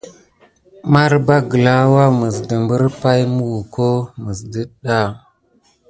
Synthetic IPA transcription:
ma˦ɾba˦ɡə˨la˦wa˦mə˨sdə˨mbə˦ɾpa˦jmu˦wu˨ko˦mə˨sdə˦ɗa˦˨

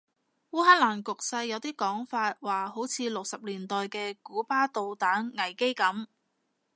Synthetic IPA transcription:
wuː˥haː˥laː˨˩nkʊ˨k̚sɐ˧jːɐ˨˧wt̪iː˥kɔː˨˥ŋfaː˧t̚waː˨˩ho˨˥wt͡sʰiː˨˧lʊ˨k̚sɐ˨p̚liː˨˩nt̪ɔː˨jkɛː˧kuː˨˥paː˥t̪o˨wt̪aː˨˥nŋɐ˨˩jke˥jkɐ˨˥m

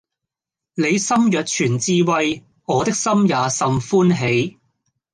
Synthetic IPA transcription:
ne˨˧jsɐ˥mjœː˨k̚t͡ʃʰyː˨˩nt͡siː˧wɐ˧j | ŋɔː˨˧t̪ɪ˥k̚sɐ˥mjaː˨˧sɐ˨mfuː˥nɦe˨˥j

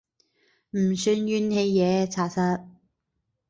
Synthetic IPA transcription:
m̩˨˩syː˧nɥyː˧˥nhe˧jːɛː˨˧t͡sʰaː˧˩sa˥t̚

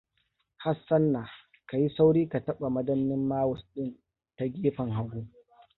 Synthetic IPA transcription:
ha˦sːɐ˦nːaː˨ | ka˨ji˦sa˦wɾiː˦ka˨tɐ˦ɓa˨mɐ˦dɐ˦nːɪ˦mːaː˦wʊ˨sɗɪ˦˨n | ta˨ɡʲeː˦ɸɐ˨ŋɦa˨ɡuː˦

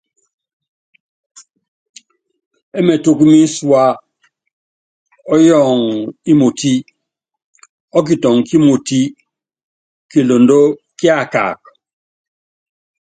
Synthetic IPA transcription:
ɛ˦me˨to˦kmi˦n˦su˦a˦ | ɔ˦jɔ˦˨ŋi˦mo˨ti˦ | ɔ˦k̬i˨tɔ˨ŋki˦mo˨ti˦ | ki˨lo˨ndo˦ki˦a˦˨ka̰˨k̚

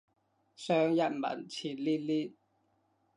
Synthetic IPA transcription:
sœː˥ŋjɐ˥t̚mɐ̰˨˩nt͡sʰiː˧t̚liː˦˥t̚liː˥t̚

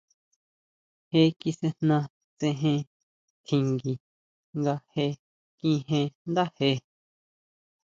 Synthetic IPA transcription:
he˧ki˧se˧n̥nã˧ | t͡sẽ˧ɦẽ˧ | t̪ʰĩ˨ŋɡi˨ | ŋɡa˧he˧ | kĩː˧ɦẽ˧nd̪a˦he˧˨

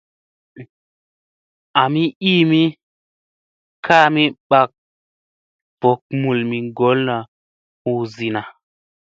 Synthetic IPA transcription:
a˨mi˦iː˦mi˦ | kʰaː˦mi˦ɓa˨k̚ | po˨k̚mu˨lmi˨ɡo˨˦lna˨ | hu˨zi˨na˨

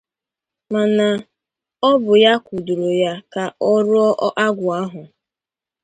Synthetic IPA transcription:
ma˨na˨ | ɔ˦bʊ˨ja˦kʷu˨du˨ɾo˨ja˦ka˨ɔ˦ɾʊ˦ɔ˦ʔʔa˦ɡʷʊ˨a˦ɦʊ˨

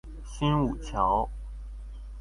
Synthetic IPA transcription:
ɕi˥nu˨˩t͡ɕʰjɑ˧˥ʊ

